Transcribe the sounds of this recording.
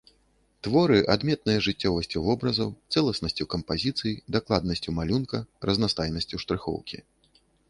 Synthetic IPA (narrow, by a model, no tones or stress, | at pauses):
t̪vɔɾɨʔad̪mʲɛt̪̚nɨjɐʐɨt͡sʲːɔvɐsʲt͡sʲuvɔbɾɐzɐwt̪sɛlˠɐsnɐsʲt͡sʲukɐmpazʲit̪sɨjid̪aklˠad̪nɐsʲt͡sʲumalʲunkɐrɐznast̪ajnɐsʲt͡sʲuwʂt̪ɾɨxɔ̰wkʲḭ